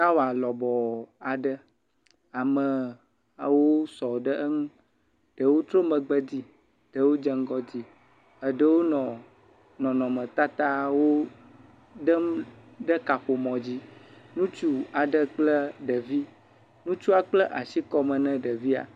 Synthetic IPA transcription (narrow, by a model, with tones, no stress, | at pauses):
a˦wo˨a˨lɔ˨bɔ˨a˨ɖə˦ | a˨mə˨ | wo˦sɔ˨ɖə˦ʔə˦ŋũ˦ | ɖ̥ə˨wo˦t̪ɾo˦mə̃˨ɡ͡bə˦d̪i˦ | ɖ̥ə˨wo˦d͡ʒə˦ŋ˦ɡɔ˦d̪i˦ | ə˨ɖə˦wo˦nɔ̃˨ | nɔ̃˨nɔ̃˨mə̃˨t̪a˦t̪a˦wo˦ | ɖə˦mɖə˦ka˨ɸo˨mɔ̃˨d͡ʑi˦nũ˦t͡ʃu˦a˨ɖə˨k͡plə˦ɖə˨vi˦ | nũ˦t͡ʃu˦a˨k͡plə˦ʔa˨si˦kɔ˦mə̃˨nɛ̃˦ɖə˨vi˦a̰˨